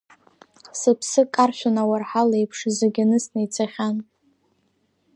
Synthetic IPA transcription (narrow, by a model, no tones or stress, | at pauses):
sɨpʰsɨkʼarʃʲʷᶣʊnawarħalejpʰʂzeɡʲanɨsnejt͡sʰaχʲan